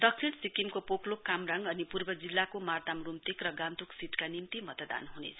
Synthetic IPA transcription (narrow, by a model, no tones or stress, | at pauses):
d̪ʌksʰiɳʈsikimkopoklokːamraŋɡʌnipurbʌd͡zilːakomart̪amrumt̪ikrʌɡant̪uksiʈkanimt̪imʌt̪d̪a̰nɦunḛt͡sʰʌ